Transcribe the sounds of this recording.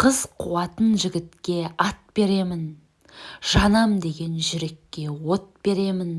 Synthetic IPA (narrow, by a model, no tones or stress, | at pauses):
qʰəzqʰuwɑt̪ənʒɪɡʲɪt̪kʲe̞ɑt̪̚be̞ɾe̞mɪn | ʒ̥ɑnɑmd̪e̞ɡʲe̞nʒʏɾe̞kʲːe̞wo̞t̪̚b̥e̞ɾe̞mɪn